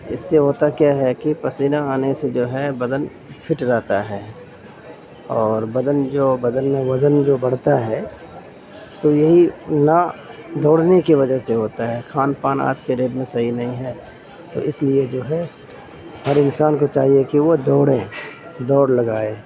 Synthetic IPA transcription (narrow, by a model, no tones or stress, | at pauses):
ɪsːeɦoːt̪akjaɦɛkipɐsiːnaaːnesed͡ʒoːɦɛbɐd̪ən | pʰɪʈɾɛɦt̪aɦɛː | ɔːɾbɐd̪ənd͡ʒoːbɐd̪ənmẽʋɐzənd͡ʒoːbɐɽ̤t̪aɦɛː | t̪ojɐɦinad̪ɔːɽnekiʋɐd͡ʒəɦseɦoːt̪aɦɛkʰaːnpaːna̰ːt̪keɾeːɖmẽsɐɦinɐɦĩɦɛ | t̪o̰ʔɪslied͡ʒoːɦɛ | həɾɪnsaːnkot͡ʃaːɦiekiʋod̪ɔːɽẽd̪ɔːɽlɐɡaːeː